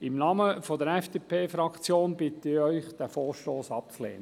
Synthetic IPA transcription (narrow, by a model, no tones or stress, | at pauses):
ɪmnɑːməfɔd̪əɾɛfd̥eːpʰeːfɾɑkt͡sjoːnb̥ɪt̪əɪɾœʏχd̥æfɔːʃtoːsɑp̚t͡slḛːnə